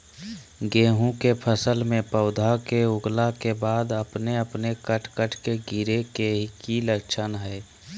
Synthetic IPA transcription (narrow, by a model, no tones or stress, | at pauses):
ɡeːɦũkepʰəsəlmẽpəʊd̪ʱakeʊɡlakebaːd̪əpneəpnekəʈʰkəʈʰkeɡiɾekeɦikiləkt͡ʃʰənɦɛː